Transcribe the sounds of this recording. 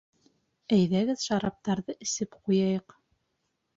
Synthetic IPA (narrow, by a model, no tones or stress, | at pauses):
æjðæɡɘðʃɑɾɑp̚t̪ɑɾðɤʔɘ̆sɘpqujɑjɤq